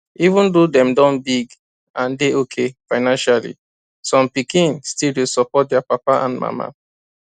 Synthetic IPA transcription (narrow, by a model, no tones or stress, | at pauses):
ivũndodɛ̃mdɔ̃nbiɡ | ãndeokʰefaɪnãnʃalḭ | sɔ̃mpikĩnstilwilsɔpɔt̚dɛapapaʔã̰nma̰ma̰